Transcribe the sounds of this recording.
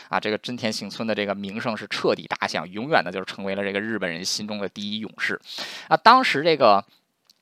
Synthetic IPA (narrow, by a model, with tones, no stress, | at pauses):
ɐ̰˧ʈ͡ʂɤ˥˩ɡə˩ʈ͡ʂə˥nt̪ʰjɛ˧˥nɕi˧˥ŋt͡sʰwə˥nd̪ə˨ʈ͡ʂɤ˥˩ɡə˩mi˧˥ŋʂɤ˥˧ŋʂɻ̩˥˧ʈ͡ʂʰɤ˥˩t̪ḭ˨˩t̪a̰˥˩ɕjɑ̰˨˩ŋjʊ˧˥ŋɥɛ˨˩ndə˦t͡ɕjo˥˧ʊʂ̩˥˩ʈ͡ʂʰɤ˧˥ŋwe˧˥ɪlə˧ʈ͡ʂɤ˥˩ɡə˩ɻ̩˥˩pə˨˩nɻə˧˥nɕi˥nʈ͡ʂʊ˥ŋd̪ə˨t̪i˥˩i˥jʊ̰˨˩ŋʂɻ̩˥˩na˥˧t̪ɑ˥ŋʂɻ̩˧˥ʈ͡ʂɤ˥˩ɡə˩